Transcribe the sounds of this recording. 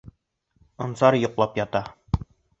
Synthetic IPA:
ŏnsɑɾjŏqlˠɑpjɑt̪ɑ

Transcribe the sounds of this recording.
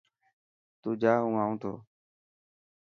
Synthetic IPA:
t̪uːd͡ʒaːɦũːaːũːt̪ʰo̰ː

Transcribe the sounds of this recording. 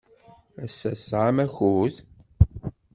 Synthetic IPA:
æsːæsːʁamæçuð

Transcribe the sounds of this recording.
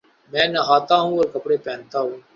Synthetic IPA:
mɛ̃ːnəɦaːt̪aːɦũːəɾkəpɽeːpɛ̃ːnt̪aːɦũː

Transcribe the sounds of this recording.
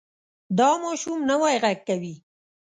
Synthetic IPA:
d̪ɑmɑʃumnawɑjɣaɡ̚kawi

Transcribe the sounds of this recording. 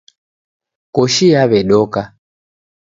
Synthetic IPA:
kɔʃijaβɛɗɔka

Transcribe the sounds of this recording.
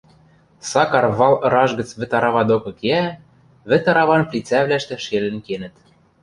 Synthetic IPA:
sɑkɑrβɑlˠɤɾɑʒɡɤ̆t͡sβɘ̆t̪ɑɾɑβɑd̪okɤ̆keæ | βɘ̆t̪ɑɾɑβɑnplʲit͡sæβlæʃt̪ɘ̆ʃelɘ̆nkenɘ̆t̪

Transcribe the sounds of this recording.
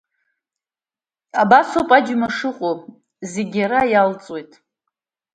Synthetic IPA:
abasopʼad͡ʒmaʂɨqʼo | zeɡʲaɾajalt͡sʼwe̞jtʼ

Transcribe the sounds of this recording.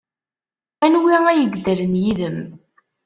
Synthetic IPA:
ænwiæjəɡd̪əɾənjiðəm

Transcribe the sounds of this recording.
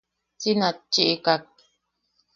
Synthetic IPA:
t͡sinat͡ʃːiʔikak̚

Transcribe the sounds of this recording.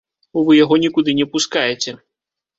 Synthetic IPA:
uvɨjaɣɔnʲikud̪ɨnʲɛpuskajet͡sʲɛ

